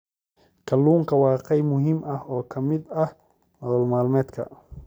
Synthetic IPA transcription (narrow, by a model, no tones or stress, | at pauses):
kʰɐluːŋkʰɐwɑːqɛjmʊɦiːmɐhɔːkʰɐmɪd̪ɐh | hɔðɔːlmaːlmɛːd̪kʰɐ̰